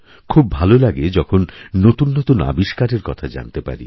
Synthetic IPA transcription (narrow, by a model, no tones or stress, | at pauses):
kʰubːʱalolaɡed͡ʑɔkʰonːot̪unːot̪una̰biʃkaɾeɾkɔt̪ʰad͡ʑa̰nt̪epa̰ɾḭ